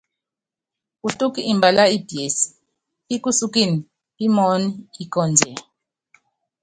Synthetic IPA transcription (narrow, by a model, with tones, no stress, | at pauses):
u˨tʼu˦ki˦i˨mba˨la˦i˦bi˨e˨si̥˨ | i˦ku˦su˦ki˦˨ni˨ | i˦mɔ˦ni˦i˦˨kɔ˦˨nd͡ʒʱɛ˨